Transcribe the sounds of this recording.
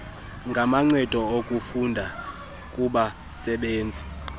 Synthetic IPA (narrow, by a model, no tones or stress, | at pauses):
ŋɡʱamaŋ͡ǀɛd̥ʱɔokʼufundʱa | kʼuɓa | sɛɓeːnd͡zʱi